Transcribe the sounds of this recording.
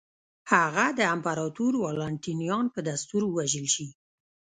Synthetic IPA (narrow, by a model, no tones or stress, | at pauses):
haɣad̪əampaɾɑt̪uɾwɑlɑɳʈinijɑnpəd̪ast̪uɾwaʒəlʃi